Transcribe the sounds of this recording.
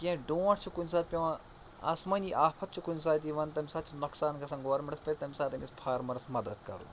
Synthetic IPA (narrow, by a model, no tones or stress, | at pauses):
kiɐ̃ɖoːʈʰt͡ʃʰukuns̬aːt̪̚pʲɐʋa | ɐ̰smɐnʲiʔaːpʰɐt̪̚t͡ʃʰukuns̬aːt̪̬iʋɐnt̪ɐmʲsaːt̪̚t͡ʃʰunɐksaːnkɐsɐŋɡoːɾmɐɾɐspɐɾʲt̪ɐmʲisaːt̪ɐmʲispʰaːɾmɐɾɐsmɐd̪ɐd̪kɐ̰ɾṵː